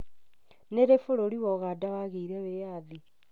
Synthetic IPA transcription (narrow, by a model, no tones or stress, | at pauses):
neɾefoɾoɾiwɔɣadaβaɣeiɾɛβejaði